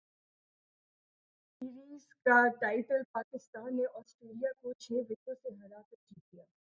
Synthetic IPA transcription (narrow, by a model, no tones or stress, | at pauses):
ɪɾiːzkaʈaːɪʈəlpaːkɪst̪aːnːeʔɔːsʈɾeːlijakot͡ʃʰeːʋɪt̪õseɦɐɾaːpəd͡ʒik̪ijaː